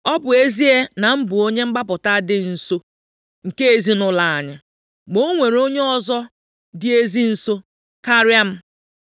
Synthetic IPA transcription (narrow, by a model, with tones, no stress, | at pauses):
ɔ˦bʊ˨e˦zi˦e˦na˨m̩˦bʊ˨o˦ɲe˦ŋ͡m̩˦ɡ͡ba˦pʊ˨ta˦dɪ˦n̩˨so˦ | ŋ̩˨ke˦e˨zi˦nʊ˨la˨a˨ɲa˨ | ɡ͡bo˦ŋʷe˨ɾo˦ɲe˦ɔ˨zɔ˦ | dɪ˦e˦zi˦n̩˨so˦ | ka˦ɾja˦m̩˦